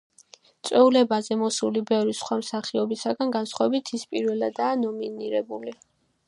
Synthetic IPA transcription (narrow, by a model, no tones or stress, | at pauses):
t̪sʼwɛulɛbazɛmɔsulibɛvɾisχwamsaχiɔbisaɡanɡansχwavɛbit̪ʰispʼiɾvɛlad̪aːnɔminiɾɛbuli